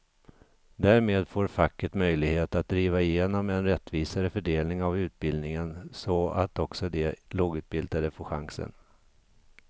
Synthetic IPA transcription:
d̪æːɾmeːd̪foːɾfakːəʈ̪mœjlɪɡheːt̪at̪̚d̪ɾiːvaɪjeːnɔmɛnɾɛt̪ːviːsaɾəfœɖeːlnɪŋavʉ̟ːt̪̚bɪld̪nɪŋənsɔat̪ɔksɔd̪ɛloːɡʉ̟ːt̪̚bɪld̪ad̪əfoɧa̰ŋsə̰n

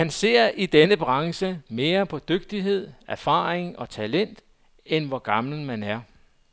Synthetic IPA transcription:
ænse̝ɐ̰id̥enəb̥ʁɑ̈ŋsəme̝ːɐpʰɒ̽d̥øɡ̥̚d̥iɦe̝ð̰ˠæɐfɑ̰̈ːeŋɒ̽t͡sʰælen̰d̥ | enʋɒɡ̥ɑ̈ml̩mænæɐ

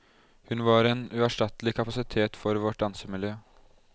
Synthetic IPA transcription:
hʉnʋɑɾeːnʉːæʂʈɑt̪əlɪkʰɑpɑsɪt̪ʰeːt̪fɔɾʋɔʈ̚d̪ɑnsəmɪljøː

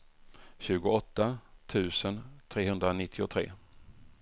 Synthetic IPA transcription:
ɕʉ̟ːɡʊɔt̪ːat̪ʰʉ̟ːsənt̪ʰɾeːhɵnd̪ɾanɪt̪ʰːɪʊt̪ʰɾḛː

